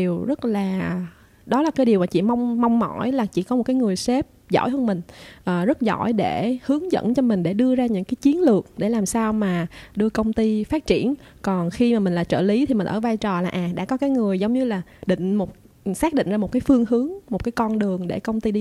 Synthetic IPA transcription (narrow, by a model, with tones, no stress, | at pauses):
i˨˩əwzə˦˥t̚laː˨˩ | ɗɔ˨˦la˨˩kaː˨˦jɗi˨˩əwmaː˨˩t͡ɕḭ˧˨ma˧wŋ͡mːa˧wŋ͡mmɔ̰˧˩jlaː˨˩t͡ɕḭ˧˩˨kɔ˨˦m˨˩t̚kaː˨˦jŋɨ˨˩əjse˦˥p̚zɔ̰˧˥˨jɦəː˧nmï˨˩ŋ̟ʔəː˨˩zə˦˥t̚zɔ̰˧˩˨jɗe˧˩hɨ˨˦əŋzə̰˧˥nt͡ɕɔ˧mï˨˩ŋ̟ɗe˧˩ɗɨ˧əzaː˧ɲɨ̰˧˥ŋkaː˨˦jt͡ɕi˨˦ənlɨ˨˩ək̚ɗe˧˩laː˨˩msaː˧wmaː˨˩ɗɨ˧əkə˧wŋ͡mt̪i˧faː˦˥t̚t͡ɕi˧˩˨ənkɔ˨˩nxi˧maː˨˩mï˨˩ŋ̟laː˨˩t͡ɕə̰ː˧˩li˨˦t̪ʰi˨˩mï˨˩ŋ̟ʔəː˧˩vaː˧jt͡ɕɔ˨˩laː˨˩ʔaː˨˩ɗa̰ː˧˥kɔ˨˦kaː˨˦jŋɨ˨˩əjzə˨˦wŋ͡mɲɨ˧laː˨˩ɗḭ̈˧˨ŋ̟mo˨˩t̚ | saː˦˥k̚ɗḭ̈˧˨ŋ̟zaː˧mo˨˩t̚kaː˨˦jfɨ˧əŋɦɨ˨˦əŋmo˨˩kaː˨˦jkɔ˧nɗɨ˨˩əŋɗe˧˩kə˧wŋ͡mt̪i˧i˧